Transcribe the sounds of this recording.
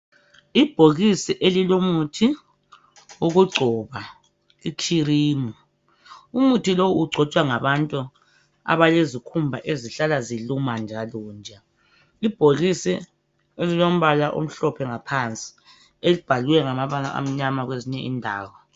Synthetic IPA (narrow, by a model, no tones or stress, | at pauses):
ib̥ʱoɣisiʔelilomutʰi | uɣuɡ͡ǀʱɔːβa | ikʰiriːmɔ | umutʰilowuuɡ͡ǀʱɔt͡ʃʼwaŋaβantʼu | a̰βalezikʰumbʱa̰ʔeziɬalazilumand͡ʒʱaluːnd͡ʒʱa | ib̥ʱoɣisi | elilom̩βalaʔo̰m̩ɬɔpʰɛŋapʰant͡sʼi̥ | elib̥ʱaluwɛŋamaβala̰ʔa̰m̩ɲamaɣweziɲɛʔḭndʱaːwɔ